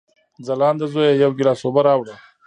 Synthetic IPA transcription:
d͡zalɑːnd̪azojajawɡilɑːsoːbaɾɑːwɽə

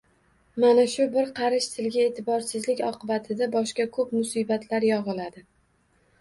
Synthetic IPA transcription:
manaʃʊbɪɾqʰɑɾɪʃt̪ʰɪlɡʲae̞ːt̪ʰɪbɒɾsɪzlɪkʲɒqʰɨbat̪ʰɪd̪abɒʃkʲakʰɵpmʊsibat̪ʰlaɾjɒʁɨlad̪ɪ

